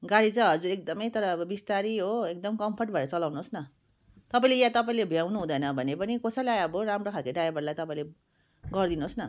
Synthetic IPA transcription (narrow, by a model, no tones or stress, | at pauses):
ɡaɽit͡sʌ̃ɦʌd͡zuɾek̚d̪ʌmʌjt̪ʌɾʌːbʌbist̪aɾiɦoek̚d̪ʌmkʌmpʰʌrʈ̚bʱʌeɾʌt͡sʌlawnuɦosnʌ | t̪ʌpaĩlejãt̪ʌpaĩlebʱjawnuɦũd̪ʌjnʌbʱʌnepʌnikʌsʌlajʌbʌɾamrokʰalkaɖajabʌrlajt̪ʌpaĩle | ɡʌrd̪inuɦosnʌ